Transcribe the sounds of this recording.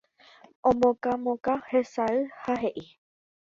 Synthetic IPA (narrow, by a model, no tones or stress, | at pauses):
õmõkamõkahe̞saɨhaɦe̞ʔi